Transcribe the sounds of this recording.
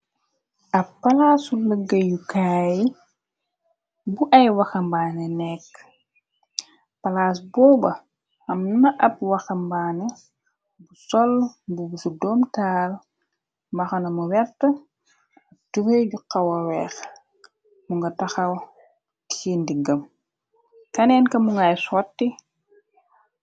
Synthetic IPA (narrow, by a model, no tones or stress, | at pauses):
ʔɐppːɐlaːsuləɡːəjukaji | buʔɐjwɐxɐmbaːnɛnɛkː | pɐlaːsbɔːbɐ | ɐmnnɐʔɐp̚wɐxɐmbaːnɛ | busɔlbubusudɔːmtaːl | mbɐxɐnɐmuwɛɾtɐ | ɐtufeɟuqːɐwɐwɛːx | muŋɡɐtɐxɐw | tindiɡɐm | kɐnɛnkɐmuŋɡajsɔtːi